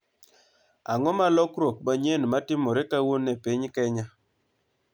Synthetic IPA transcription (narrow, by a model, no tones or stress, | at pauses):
a̰ŋɔmalɔkɾok̚maɲenmatɪmɔɾekawonɛpiɲkɛɲa